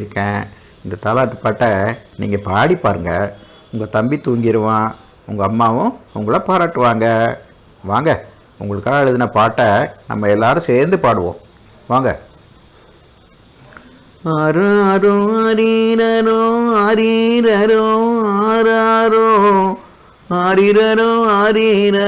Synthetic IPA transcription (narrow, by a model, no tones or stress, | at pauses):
ɾɯkːɛ̃ː | ɪnd̪ɐt̪aːlaːʈ̪ːɯpaːʈːɐnḭːŋɡɐpaːɽipːaːɾɯŋɡɐ | ʊŋɡɐt̪ɐmbit̪uːŋɡɪɾɯʋãː | ʊ̰ŋɡɐːmːaːʋʊ̃ʊ̰ŋɡɐɭɐpaːɾaːʈːɯʋaːŋɡɐ | ʋaːŋɡɐ | ʊ̰ŋɡɐɭɯkːãːɛɻɯðɯnɐpaːʈːɐnɐ̰mːɐɛlːaːɾɯ̃seːɾnd̪ɯpaːɽɯʋõ̰ː | ʋaːŋɡɐ̰ | ɐɾɾʊ̃ɐɾiɾɐɾʊɐɾiɾɐɾʊaɾaɾʊ | aɾiɾɐɾʊ̃aɾiɾɐ